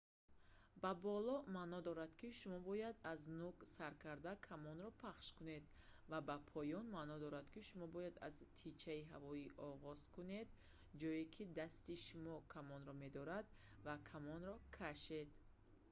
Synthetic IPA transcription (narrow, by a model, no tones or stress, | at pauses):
babɔlɔmanɔd̪ɔɾad̪kiʃumɔbɔjad̪aznuksaɾkʰaɾd̪akʰamɔnɾɔpʰaχʃkune̞d̪ | vabapʰɔjɔnmanɔd̪ɔɾad̪̥kiʃumɔbɔjad̪a̰zt̪ʰit͡ʃʰaiɦavɔiʔɔʁɔz̥kune̞d̪̚ | d͡ʒɔjikʰid̪ast̪iʃumɔkʰamɔnɾɔme̞d̪ɔɾad̪ | vakʰamɔnɾɔkʰaʃe̞d̪